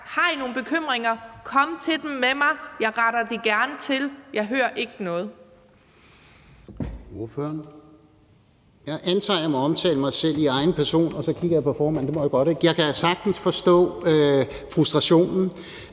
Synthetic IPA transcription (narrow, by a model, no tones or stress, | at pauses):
hɑ̈ino̝ːn̩b̥e̝kʰøm̰ʁeŋɐkʰɒ̽mt͡sʰe̝d̥emːemɑ̈ɪjɑ̈ɪʁɑɾ̥ɐd̥eɡ̥æɐnət͡sʰe̝ljɑ̈ɪɦøːɐʔe̝ɡ̥ənɔ̽ːð̞̩ˠ | o̝ɐføɐn | jɑ̈ɪʔænt͡sʰɑɪlɐmɒɒ̽mt͡sʰɛ̰ːləmɑ̈ɪsel̰iɑ̈ɪn̩pʰæɐso̝̰ːnɒ̽sɒ̽kʰiɡ̥ɐjɑ̈pʰɒ̽fɒːmæn̰d̥e̝mɒjaɡ̥ɒ̽ɾ̥eɡ̥jɑ̈ɪkʰæsɑ̈ɡ̥̚d̥n̩sfɒ̽sd̥ɔ̰̽ː | fʁusd̥ʁɑ̈ɕo̝̰ːnn̩